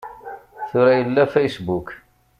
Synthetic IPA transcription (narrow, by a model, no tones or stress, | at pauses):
θʊɾæjəlːæfæjsbuk